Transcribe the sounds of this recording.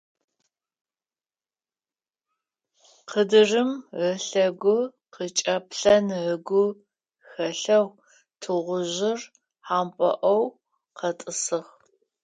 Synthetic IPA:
qədɨrɨmʕəɬɐɡʷʊ | qət͡ʃʼɐpɬɐnʕəɡʷʊ | xɐɬɐw | tʰɨʁʷʊʑɪr | ħaːmpʷʼɔ̰ʔɐw | qɐtʼɨsɨʁ

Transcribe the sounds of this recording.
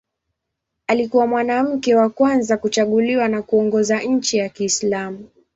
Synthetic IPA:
alikuwamwanam̩kɛwakwanzakut͡ʃaɠuliwanakuɔŋɡɔzaɲ̩t͡ʃijakiːslamu

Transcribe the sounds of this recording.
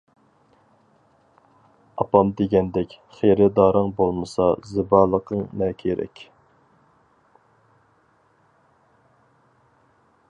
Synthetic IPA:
ɑpɑmd̪eɡʲɛnd̪ɛkʲ | χejɾɪd̪ɑːɾəŋbolˠmɨsɑzɨbɑːlˠəqʰəŋnɛːkʲʰieɾɛ̰kʲ

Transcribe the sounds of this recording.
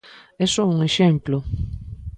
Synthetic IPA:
esouŋeʃẽmplo

